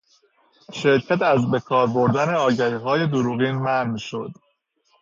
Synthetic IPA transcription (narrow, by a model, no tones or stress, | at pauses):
ʃe̞ɾcʰæt̪æzbe̞kʰɒːɾboɾd̪æne̞ɒːɟæɾiːɦɒːje̞d̪oɾuːɣiːnmæhnmiʃo̞d̪̥